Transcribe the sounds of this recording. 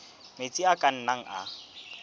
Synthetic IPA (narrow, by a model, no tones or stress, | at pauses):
met͡sʼiakʼan̩naŋ̩ʔa̰